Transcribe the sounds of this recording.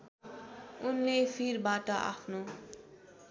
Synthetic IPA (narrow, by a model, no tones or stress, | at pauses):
unlepʰirbaʈʌʔa̰pʰno